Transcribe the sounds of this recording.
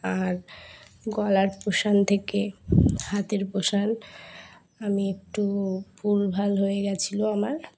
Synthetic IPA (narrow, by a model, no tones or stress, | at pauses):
aɾ | ɡɔlaɾpoʃant̪ʰekehat̪eɾpoʃan | amiek̚ʈubulbʱalɦoeɡɛt͡ɕʰiloamaɾ